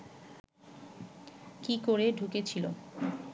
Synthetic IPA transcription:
kikoɾeɖʱuket͡ɕʰilo

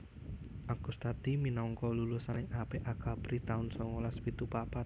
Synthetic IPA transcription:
ʔakust̪at̪iminɔŋkɔlulusanɪŋʔapeʔaɡ̥apɾit̪aʊnsɔŋolaspit̪upapat̪̚

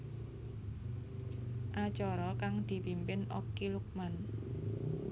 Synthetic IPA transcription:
ʔat͡ʃɔɾɔkaŋd̪̥i̤pimpɪnokiluk̚man

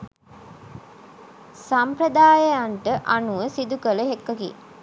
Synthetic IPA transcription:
sampɾəd̪aːjəjaɳʈəʔanuʋəsid̪ukələɦekːəkḭ

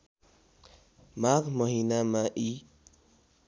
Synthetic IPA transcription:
makmɔɦinamaʔi

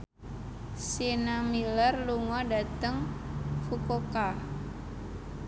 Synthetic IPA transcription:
sinamilərluŋɔdat̪əŋfukoka

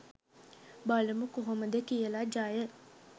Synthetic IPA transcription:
baləmukoɦoməd̪ekijəlad͡ʒaːjə

